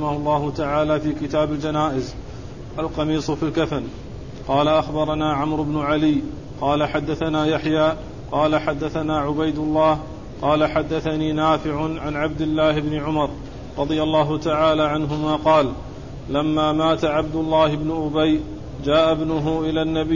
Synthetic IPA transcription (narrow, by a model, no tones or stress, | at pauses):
ħɪmahʊlˤːɑːhʊt̪aʕaːlaːfiːkɪt̪aːbald͡ʒanaːʔɪz | ʔalqɑmiːsˤfilkafan | qɑːlaʔaxbɑɾˤɑnaːʕamɾʊbnʊʕalɪj | qɑːlaħad̪ːaθanaːjaħjaː | qɑːlaħad̪ːaθanaːʕʊbajd̪ʊlˤːɑːh | qɑːlaħad̪ːaθaniːnaːfɪʕʊʕanʕab̚d̪ɪlːaːhɪbnɪʕʊmɑɾˤ | ɾˤɑd̪ˤɪjalːɑːɦʊt̪aʕaːlaːʕanɦʊmaːqɑːl | lamːaːmaːt̪aʕab̚d̪ʊlˤːɑːhɪbnʊʔʊbaj | d͡ʒaːʔabnʊɦʊʔɪlaːnːabɪ